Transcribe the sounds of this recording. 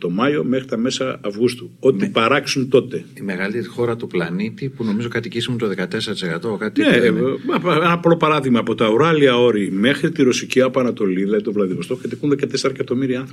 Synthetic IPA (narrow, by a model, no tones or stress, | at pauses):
t̪o̞mɐjo̞me̞xɾit̪ɐmesɐːvɣust̪uo̞t̪ipɐɾɐksunt̪o̞t̪e̞t̪imeɣɐlit̪eɾixo̞ɾɐt̪uplɐnit̪ipuno̞mizo̞kɐt̪icisimunt̪oðekɐt̪eseɾɐt̪i̥sekɐt̪okaine | enɐplo̞pɐɾɐðiɣmɐːpo̞t̪ɐuɾɐliɐo̞ɾime̞xɾit̪iɾo̞siciɐpoɐnɐt̪o̞liðilɐðit̪ovlɐðivost̪o̞kɐt̪ikunðe̞kɐt̪eseɾɐkɐt̪o̞miɾiɐnθɾɐ